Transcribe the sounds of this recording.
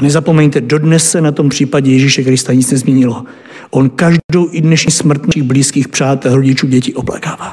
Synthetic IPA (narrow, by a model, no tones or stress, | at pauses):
nɛzapo̞mɛɲt̪ɛdo̞dnɛsːɛnat̪o̞mpr̝̥iːpaɟɛjɛʒiʃɛkɾɪst̪aɲɪt͡snɛzmɲɛɲɪlo | ʔo̞nkaʒdo̞wʔɪdnɛʃɲiːsmr̩t̪naɪɣbliːskiːxpr̝̥aːt̪ɛlɾoɟɪt͡ʃuːɟɛcɪʔopla̰kaːvaː